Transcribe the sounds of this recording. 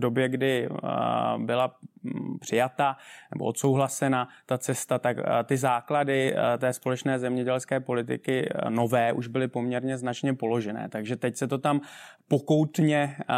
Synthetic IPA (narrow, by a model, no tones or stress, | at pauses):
do̞bjɛɡdɪ | bɪlapr̝̥ɪjat̪anɛ̰boʔot̪so̞wɦlasɛnat̪at͡sɛst̪at̪akt̪ɪzaːkladɪt̪ɛːspo̞lɛt͡ʃnɛːzɛmɲɛɟɛlskɛːpo̞lɪt̪̬ɪ̰kɪno̞vɛːʔuʒbɪlɪpo̞mɲɛɾɲɛznat͡ʃɲɛpo̞lo̞ʒɛnɛ̰ːt̪aɡʒɛt̪ɛcsɛt̪o̞t̪ampo̞ko̞wt̪ɲɛ